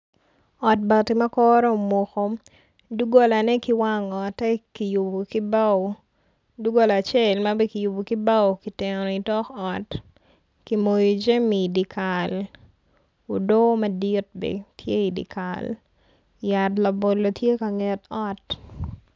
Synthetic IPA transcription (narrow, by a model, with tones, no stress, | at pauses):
ɔ˨t̚ba˨ti˨ma˦kɔɾɔ˦o˨mo˨ko˨ | du˦ɡo˦la˨nɛ˦ki˦wa˦ŋɔ˨tɛ˦ki˨ju˨bo˨ki˦ba˨ | du˦ɡo˦la˨t͡ʃɛ˦lmabɛ˦ki˨ju˨bo˨ki˦ba˦wki˨tɪ˨ŋɔn˨i˨tɔ˦kɔ˨t | ki˨mo˨jod͡ʒe˦mi˨di˨kʰal | o˨do˦mɐ˦di˦t̚bɛ̰˨tʰje˦i˨dḭ˨ka̰l | jatla˨bo˨lo˨tje˦ka˨ŋɛ˨tɔ˦t